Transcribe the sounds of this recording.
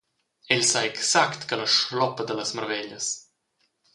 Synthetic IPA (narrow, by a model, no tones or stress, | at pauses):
ɛʎsaeksakt̪kələʃlɔpəd̪ələsməɾvɛʎəs